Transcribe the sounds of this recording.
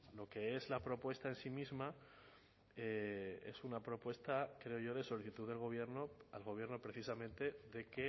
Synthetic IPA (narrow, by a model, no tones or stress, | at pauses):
lo̞ke̞ezlapɾo̞pwe̞st̪ae̞nsimizma | ee̞̰sunapɾo̞pwe̞st̪akɾe̞o̞ʝo̞ðe̞so̞liθit̪uðelɣ̞o̞βje̞ɾno̞alɣ̞o̞βje̞ɾno̞pɾe̞θisamẽnt̪e̞ðe̞ke